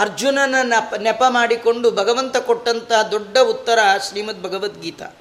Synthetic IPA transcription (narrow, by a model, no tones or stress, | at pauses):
ɐɾd͡ʒunɐnːɐnɐnɛpɐmaːɽiko̞ɳɖubʱɐɡɐʋɐnt̪ɐkoʈːɐnt̪ɐɦɐd̪oɖːɐut̪ːɐɾɐʃɾiːmɐt̪̚bʱɐɡɐʋɐt̪ɡiːt̪ɐ̰